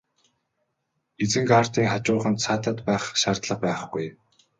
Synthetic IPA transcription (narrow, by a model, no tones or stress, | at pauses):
et͡sɘ̆ŋɡar̥t̪iːŋχat͡ɕʊːχə̆nt̪sʰaːt̪ə̆t̪pæːχʃaːrt̪ɮə̆q̚pæːχɡuj